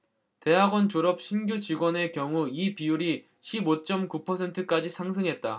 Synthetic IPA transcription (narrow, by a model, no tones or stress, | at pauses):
te̞ɦaɡwʌnt͡ɕoɾʌp̚ɕʰinɡjut͡ɕiɡwʌne̞kjʌŋuipijuɾi | ɕʰibot͡ɕ͈ʌmkupʰʌsʰe̞ntʰɯk͈ad͡ʑisʰaŋs̬ʰɯŋɦet̚t͈a